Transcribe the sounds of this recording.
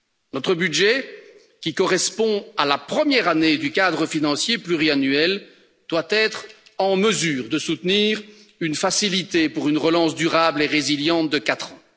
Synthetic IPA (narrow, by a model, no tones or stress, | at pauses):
nɔt̪χəbydʒɛ | kʲikɔʁɛspɔ̃alapχəmjɛʁaned̪ykad̪ʁəfinɑ̃sjeplyʁianyɛl | d̪̥wat̪ɛt̪χɑ̃məzyːʁd̪əsut̪niːʁynfasilit̪epuʁynʁəlɑ̃sd̪yʁableʁeziljɑ̃t̪̚d̪əkat̪χɑ̃